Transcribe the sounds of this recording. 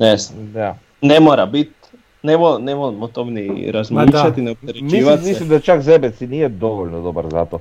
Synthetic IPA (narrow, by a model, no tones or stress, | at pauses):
nɛsd̪a | nemoɾabit̪ | nemonemomot̪omniɾazmiːʃat̪inɛop̚t̪ɛɾemiʋamislimd̪at͡ʃakzɛbɛt̪sinijɛd̪oʋolʲnod̪obaɾza̰t̪o